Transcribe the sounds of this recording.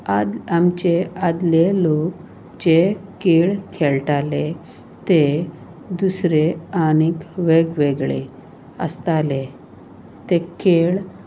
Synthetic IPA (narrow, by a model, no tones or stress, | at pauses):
aamt͡ɕead̪lelok | d͡ʑekeɭkʰɛɭʈale | t̪e | d̪usɾeañikʋeɡʋeɡɭḛ | ə̰st̪ale | t̪ekeɭ